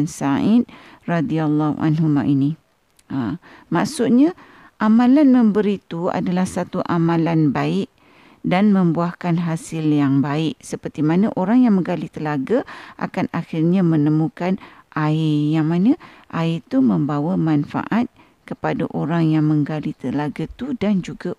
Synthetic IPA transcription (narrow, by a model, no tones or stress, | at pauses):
nsaid̚ | radialːɔhṵa̰nɦuma̰ʔini | amaʔsut̪̚ɲa | ʔamãlanmə̃mbəɾit̪ua̰dalahsat̪uʔamãlanbaɪʔ | danmə̃mbuahkanɦasɪljaŋbaɪʔsəpərt̪imanaʔoɾaŋjaŋmə̃ŋɡalit̪əlaɡaʔa̰kanaxɪrɲamənəmũkanʔaijaŋmanãʔait̪umə̃mbawamanfa̰ʔat̪̚ | kəpadaʔoɾaŋjaŋmə̃ŋɡalit̪əlaɡat̪udand͡ʒuɡa